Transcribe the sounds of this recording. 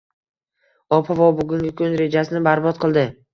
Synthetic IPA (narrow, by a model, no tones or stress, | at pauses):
ɒpʰavɒwbʊɡʲʊŋɡʲɪkʲʰʊnɾe̞d͡ʒasɪnɪbaɾbɒt̪̚qʰɨlˠd̪ɪ